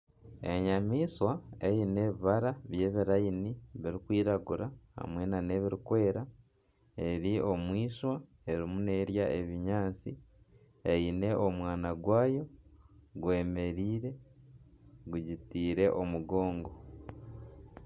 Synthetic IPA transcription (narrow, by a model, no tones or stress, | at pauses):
e̞ɲamiːswae̞jine̞ːβiβaɾaβje̞ːβiɾainiβiɾikwiːɾaɡuɾaha̰mwe̞ːnane̞βiɾikwe̞ːɾa | e̞ɾio̞mwiːʃwa | e̞ɾimune̞ːɾjaʔeβiɲaːnt͡sḭ | eine̞ʔomwaːnaɡwaːjo̞ɡwe̞ːme̞ɾiːɾe̞ | ɡuɟitiːɾe̞ʔo̞muɡo̞ːŋɡo̞